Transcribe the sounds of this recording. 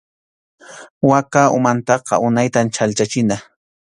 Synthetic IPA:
wakaʊmant̪ɑqɑ̰ʔʊnajt̪ant͡ʃalt͡ʃat͡ʃɪna

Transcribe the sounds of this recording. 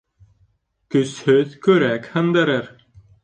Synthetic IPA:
kɵshɵðkɵɾækʲhɤnd̪æɾɘɾ

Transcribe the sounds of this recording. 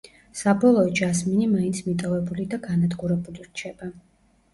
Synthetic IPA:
sabɔlˠɔɔd͡ʒasminimaint̪sʰmit̪ʼɔvɛbulid̪aɡanad̪ɡuɾɛbuliɾt͡ʃʰɛba

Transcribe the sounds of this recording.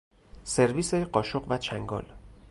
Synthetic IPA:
se̞ɾviːseɢɒːʃoɢvæt͡ʃʰæŋɡɒ̰l

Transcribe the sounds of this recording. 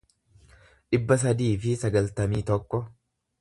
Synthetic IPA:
ᶑɪbːɐs̬ɐd̪iːfɪsɐɡɐlt̪ɐmiːt̪ɔkːɔ

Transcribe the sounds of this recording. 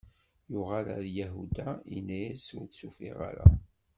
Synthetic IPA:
jʊʁaɾa̰ɾjæɦud̪ainːæjæsʊɾt̪sufḭʁa̰ɾa̰

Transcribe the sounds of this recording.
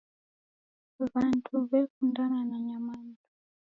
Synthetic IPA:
βantʰuβɛkundananaɲamantu

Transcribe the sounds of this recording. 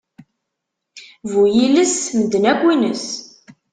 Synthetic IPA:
vujiləsməd̪ːənækʷːinəs

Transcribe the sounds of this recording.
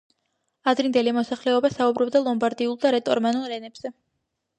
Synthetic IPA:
ad̪ɾind̪ɛlimɔsaχlɛɔbasaubɾɔb̚d̪alˠɔmbaɾd̪iulˠd̪aɾɛt̪ʼɔɾmanulˠɾɛnɛbz̥ɛ

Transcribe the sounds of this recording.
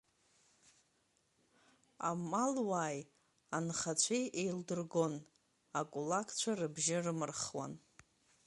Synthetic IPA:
a̰malwaːj | anχat͡ɕʷʰejʔejldɨrɡo̞n | akʼulakʼʰt͡ɕʷʰarɨbʒɪrɨmɨrχwa̰n

